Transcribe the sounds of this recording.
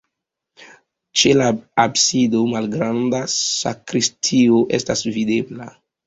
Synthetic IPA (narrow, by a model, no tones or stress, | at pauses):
t͡ʃe̞laabsidomalɡɾandasa̰kɾistʰioʔestasvide̞bla